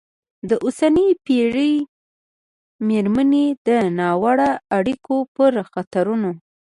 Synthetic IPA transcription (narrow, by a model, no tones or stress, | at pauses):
d̪əʔosanəpeʐəj | meɾmaned̪ənɑwaɽaːɽikopəɾxat̪aɾuno